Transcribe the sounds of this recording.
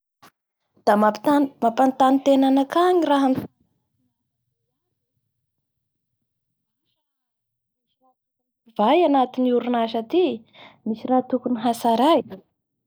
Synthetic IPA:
d̪̥amaamapant̪anit̪enanakaɲiraɦan | a | vajanat̪iniuɾunaʃat̪i | misirat̪ukuniɦasaɾaj

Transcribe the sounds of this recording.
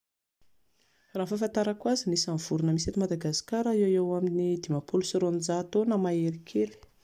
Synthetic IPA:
rafafant̪aɾakwazinisanvuɾunəmiset̪umad̪aɡasi̥kaɾaewewaminid̪imapʰolusoɾond͡ʒat̪onamaeɾikʰeɾi̥

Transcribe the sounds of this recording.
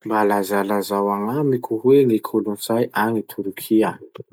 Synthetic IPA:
mbalazalazawaŋamikʰuɦweŋikʰolunt͡sajʔaŋit̪ʰuɾkʰia

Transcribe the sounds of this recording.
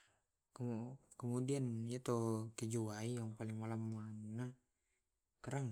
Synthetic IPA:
kəkəmudianijat̪okid͡ʒuaijaŋpalɪŋmalamana | kaɾaŋ

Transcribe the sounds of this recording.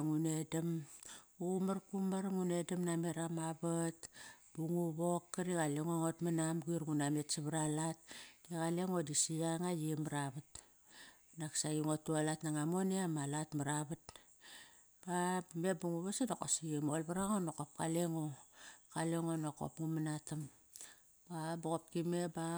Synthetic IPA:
ŋune̞damumaɾkumaɾŋune̞damname̞ɾamabatbuŋuβo̞kːaɾiɣaleŋoŋo̞tmanamɡuiɾɡunametsaβaɾalat̚diɣale̞ŋo̞disijaŋajimaɾaβat | naksajiŋotːualatnaŋamo̞neamalatmaɾaβat | b̥amebuŋuβasanoko̰sijemolbaɾaŋonokop̚kaleŋokaleŋonoko̰pŋumanatam | baboɣop̚kime̞ba

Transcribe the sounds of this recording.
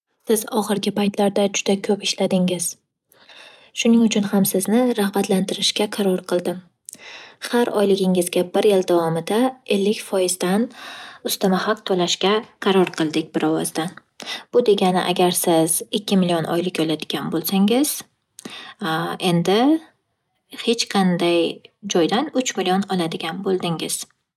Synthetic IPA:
sɪzɒχɨɾɡʲɪpajt̪laɾd̪ad͡ʒʊd̪akʲʰɵpɪʃlad̪ɪŋɪz̥ | ʃʊnɪŋʊt͡ʃʰʊnhamsɪznɪɾahbat̪lant̪ʰɪɾɪʃkʲaqʰɑɾɒɾqʰɨlˠd̪ɪm | haɾɒ̰jlɪɡʲɪŋɪzɡʲabɪɾjɪld̪avɒmɪd̪ae̞lːɪkʲfɒjɪzd̪anʊst̪amahaqt̪ʰolaʃkʲaqʰɑɾɒɾqʰɨlˠd̪ɪkʲbɪɾɒvɒzd̪an | b̥ʊd̪e̞ɡʲanɪ̰ʔa̰ɡʲaɾsɪz̥ɪkʲʰːɪmɪlijonʔɒ̰jlɪkʲɒlad̪ɪɡʲanbolˠsaŋɪz̥ | e̞nd̪ɪ | he̞t͡ʃqʰɑnd̪ajd͡ʒɒjd̪anʊt͡ʃmɪlionɒlad̪ɪɡʲanbolˠd̪ɪŋɪz̥

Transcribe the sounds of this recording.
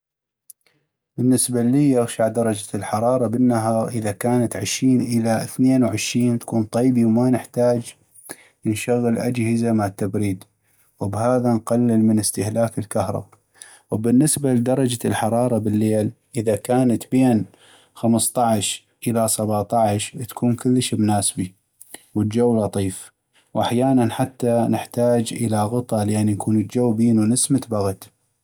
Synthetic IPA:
bɪnːɪsbaliːjaɣʃaʕd̪ɑɾˤɑd͡ʒḁlħɑɾˤɑːɾˤɑbɪnːaɦɑːɾʔəðakaːnat̪ʕɪʃɾiːnʔɪlaʔɪθneːnwʕɪʃɾiːnt̪ḁkuːnt̪ˤijbiwmanɪħt̪aːd͡ʒ | nʃaɣːəlʔad͡ʒhɪzamaʕat̪ːabɾiːd̪ | wbhaːðanqalːɪlmɪnɪst̪ɪhlaːkɪlkahɾˤɑ̰ba | wbɪnːɪsbald̪ɑɾˤɑd͡ʒalħɑɾˤɑːɾˤɑbɪlːeːl | ʔɪðakaːnat̪beːn | xaməst̪ˤɑʕʃ | ʔəlasabaʕt̪ˤɑʕʃt̪ḁkʰuːnkʊlːəʃbnaːsbi | wəld͡ʒawːlɑt̪ˤiːf | wʔaħjaːnanħat̪ːanɪħt̪aːd͡ʒʔɪlaɣʊt̪ˤɑlʔanːinkʰuːnəld͡ʒawːbiːnunɪsmɪt̪baɣt̪

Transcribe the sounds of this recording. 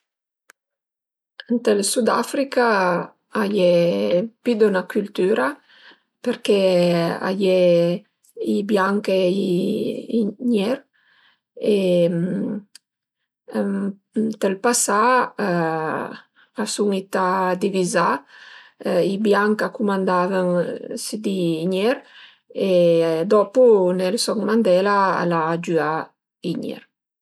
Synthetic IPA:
ənt̪elsud̪afɾika | ajepid̪unakylt̪yɾa | peɾkɛa̰jɛ | ibjaŋke | ɲɛɾ | em | t̪elpasa | asuŋit̪ad̪iviza | ibjaŋkakumand̪avəŋsed̪iɲɛɾ | ed̪ɔpunelsɔŋmand̪ɛlaa̰lad͡ʒya | iɲɛ̰ɾ

